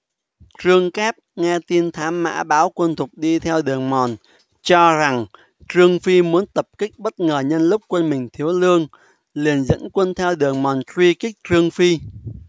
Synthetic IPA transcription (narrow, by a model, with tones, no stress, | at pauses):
t͡ɕɨ˧əŋkɛ˦˥p̚ŋɛ˧t̪i˧nt̪ʰaː˨˦mːa̰ː˧˥ɓaː˨˦wkwə˧nt̪ʰʊ˨˩k͡p̚ɗi˧t̪ʰɛ˧wɗɨ˨˩əŋmɔ˨˩n | t͡ɕɔ˧za˨˩ŋ | t͡ɕɨ˧əŋfi˧mu˨˦ənt̪ə˨˩p̚kï˦˥k̚ɓə˦˥t̚ŋəː˨˩ɲə˧nlʊ˦˥k͡p̚kwə˧nmï˨˩ŋ̟t̪ʰi˨˦əwlɨ˧əŋ | li˨˩ənzə̰˧˥nkwə˧nt̪ʰɛ˧wɗɨ˨˩əŋmɔ˨˩ntwi˧kï˦˥k̟̚t͡ɕɨ˧əŋfi˧